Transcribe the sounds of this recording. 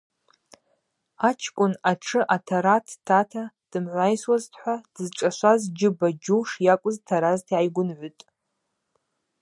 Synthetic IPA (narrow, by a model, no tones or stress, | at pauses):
at͡ʃʰkʷʼʊnaʈ͡ʂʰɨʔatʰaɾatʰtʰatʰa | d̥ɨmʕʷajswaztʰħʷad̥ɨzʈ͡ʂʼaʃʷazd͡ʒɪbad͡ʒuwʂjakʷʼʊztʰaɾaztʰʕajɡʷʊnʕʷʏtʼ